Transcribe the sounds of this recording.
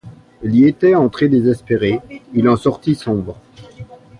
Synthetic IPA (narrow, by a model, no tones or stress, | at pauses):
iliet̪ɛɑ̃t̪χed̪ezɛspeʁeilɑ̃sɔʁt̪isɔ̃bʁ